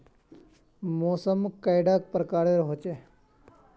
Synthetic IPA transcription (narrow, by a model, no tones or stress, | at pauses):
moːsəmkajɖak̚pɾəkaːɾeɾɦot͡ʃe